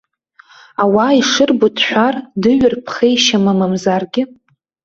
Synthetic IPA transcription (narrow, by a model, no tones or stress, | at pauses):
awaiʂɨrbutʰħʷᶣardɨɥɪrpʰχejʃamamamzarɡʲɪ